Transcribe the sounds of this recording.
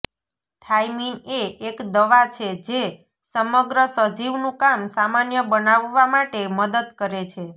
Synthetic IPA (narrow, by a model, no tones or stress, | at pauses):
tʰajmineʔːkd̪əʋat͡ʃʰed͡ʒe | səməɡɾəsəd͡ʒiʋnũkamsamanjəbənaʋːamaʈeməd̪əd̪kəɾet͡ʃʰe